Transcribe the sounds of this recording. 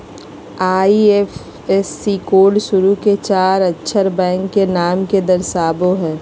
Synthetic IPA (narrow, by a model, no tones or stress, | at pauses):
aːief | ɛsːiːkoːɖʃʊɾuket͡ʃaːɾɐtːʃʰəɾbɛ̃ːŋkːenaːmked̪ɐɾsaːboɦɛː